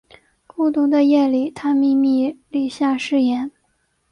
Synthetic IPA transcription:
ku˥˩t̪u˥d̪ə˧jɛ˥˩li˨˩t̪ʰa˥mi˥˧mi˥˧li˥˩ɕja˥˧ʂɻ̩˥˩jɛ˧˩˥n

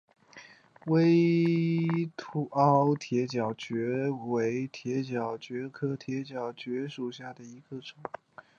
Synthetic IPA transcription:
we˥ɪ | t̪ʰu˧˥ʔɑ˥ʊt̪ʰjɛ˧˥t͡ɕjɑ˨˩ʊt͡ɕɥɛ˧˥we˧˥ɪt̪ʰjɛ˧˥t͡ɕjɑ˨˩ʊt͡ɕɥɛ˧˥kʰɤ˥t̪ʰjɛ˧˥t͡ɕjɑ˨˩ʊt͡ɕɥɛ˧˥ʂu˨˩ɕja˥˩d̪ə˩i˧˥ɡ̥ə˧ʈ͡ʂʊ˨˩˦ŋ

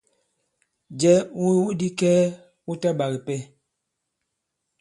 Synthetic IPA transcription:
d͡ʒɛ˨˦u˦wu˦di˦kɛː˦ | u˦ta˦ɓa˨ɣi˨pɛ˦˨

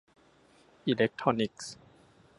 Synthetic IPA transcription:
ʔi˧le˦˥k̚t̪ʰɾɔ˧ni˦˩k̚s

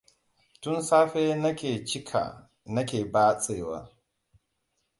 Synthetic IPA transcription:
tʊ˦nsaː˦ɸeː˦nɐ˦kʲeː˨t͡ʃɪ˦kʰa̰˨ | nɐ˦kʲeː˨baː˦sʼeː˦˨wa̰ː˦

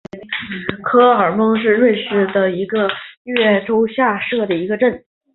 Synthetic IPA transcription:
kʰɤ˥ə˞˨˩mɤ˥ŋʂ̬ɻ̩˥˧ɻwe˥˧ɪʂɻ̩˥˩d̪ə˩i˧˥ɡə˧ɥɛ˥˩ʈ͡ʂo˥ʊɕja˥˧ʂɤ˥˩d̪ə˩i˧˥ɡə˧ʈ͡ʂə˥˩n

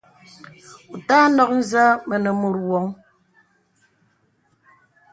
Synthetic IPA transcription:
u˨ta˦nɔ˦k̚n̩˦zə˦mə˨nə˨mu˨ɾwɔ˨˦ŋ

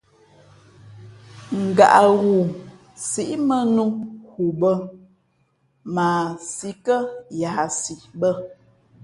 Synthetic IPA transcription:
ŋ̩˨ɡa̰˨ʔa˨ɣu˨ | si˦ʔmə˦nu˦hu˨bə˦ | ma˨si˦kə˦ja˨si˨bə˦

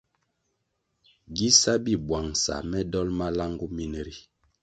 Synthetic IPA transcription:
ɡi˦sa˦bi˦bwa˨ŋsa̰˨mɛ˦dɔ˦lma˦la˦ŋɡu˦mi˦ne˨ɾi˨

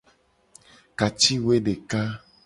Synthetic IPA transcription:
ka˨t͡ʃi˦we˦ɖe˨ka˦

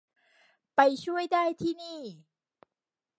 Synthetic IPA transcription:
pa˧jt͡ɕʰu˥˩əjdaː˥˩jt̪ʰiː˥˩niː˥˩

